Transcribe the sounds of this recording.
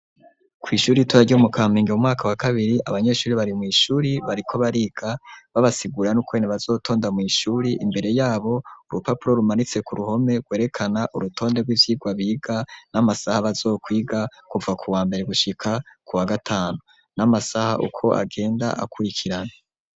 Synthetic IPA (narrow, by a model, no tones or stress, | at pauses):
kwiːʃuːɾituaɟomukʰaːmiːŋɡeumŋaːkawakaβiɾiaβaɲe̞ʃuːɾiβaɾimŋiːʃuːɾiβaɾikʰo̞βaɾiɡ̥aβaβasiɡuɾanukwe̞ːneβazo̞ːtʰo̞ːndamŋiːʃuːɾiʔimbe̞ɾe̞jaːβo̞uɾupapuɾo̞ɾumanit͡se̞kuɾuho̞me̞ɡwe̞ːɾe̞kʰanaʔuɾutʰo̞ːnde̞ɡwiːvjiːɡwaβiːɡ̥anamasahaβazo̞ːkwiːɡakuvakʰuwaːmbe̞ɾe̞ɡuʃikʰakuwaɡatʰaːnu | namasaha̰ʔṵkʰo̞a̰ɡe̞ːnda̰ʔa̰kuɾikʰiɾana